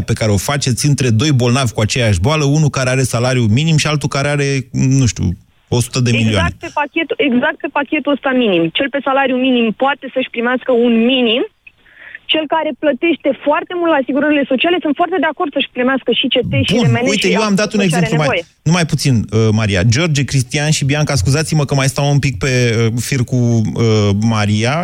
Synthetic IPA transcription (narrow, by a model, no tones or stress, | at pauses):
pe̞kaɾe̞o̞fat͡ʃe̞t̪sʲɨnt̪ɾe̞d̪o̞jbo̞lnavʲkuat͡ʃe̞jaʃboaləunukaɾeaɾe̞salaɾjuminimʃialt̪ukaɾeaɾe̞nũʃt̪ʲṵ | o̞su̥t̪əd̪emiliaaaet̪pepakʲet̪ue̞ɡzak̚t̪̚pe̞pakʲe̞t̪uəst̪aminimt͡ʃe̞lpe̞salaɾjuminimpoat̪e̞səʃʲpɾimeaskəunminim | t͡ʃe̞lkaɾe̞plət̪e̞ʃt̪e̞foart̪e̞mult̪lasiɡuɾəɾile̞so̞t͡ʃiale̞sunt̪foart̪e̞d̪eako̞rd̪səʃʲpɾimeaskəʃit͡ʃe̞t̪eʃuemeuj̪ejewamd̪at̪uneɡzeep̪luemaoje | numajput̪sinəmaɾia̰d͡ʒo̞rd͡ʒekɾist̪ianʃibiaŋkaskuzat̪siməkəmajst̪awumpik̚pe̞əfirkuəmaɾija